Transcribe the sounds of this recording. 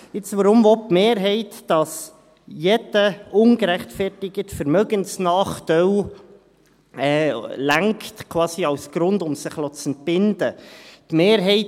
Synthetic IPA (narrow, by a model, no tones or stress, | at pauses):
ɪt͡sʋəɾʊmvɔp̚meːɾɦɛɪtːɑs | jɛd̥əʊŋɡ̥əɾæχtfɛrtɪɡətfəɾmœɡənsnɑːχtœw | ɛːlæŋktkʰwɑːsiɑwsɡ̥ɾʊndʊmsɪχlɔt͡sɛnt̚b̥ɪndətmeːɾɦɛɪt